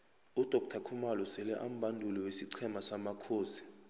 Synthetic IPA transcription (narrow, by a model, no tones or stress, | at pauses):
ud̥ʱɔk̚tʰakʰumalɔsɛlɛʔam̩ɓʱandʱuliwesiǀʰɛmasamakʰoːsi̥